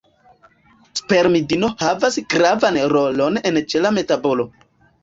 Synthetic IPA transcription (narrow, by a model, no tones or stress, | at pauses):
spe̞ɾmidino̞havasɡɾavanɾo̞lo̞ne̞nt͡ʃe̞lame̞tabo̞lo̞